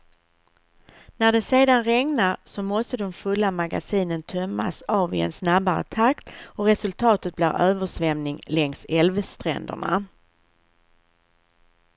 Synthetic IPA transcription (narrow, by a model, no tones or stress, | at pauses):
næɖɛseːd̪anɾɛŋnaɾsɔmɔst̪əd̪ɔmfɵlːamaɡa̰siːnənt̪ʰœmːa̰sɑːvɪɛ̰nsnabaɾə̰t̪ʰakt̪ɔɾɛsɵlt̪ʰɑːt̪ət̪̚bliːɾøːvəʂvɛmnɪŋlɛŋsɛlvst̪ɾɛ̰nd̪ə̰ɳa̰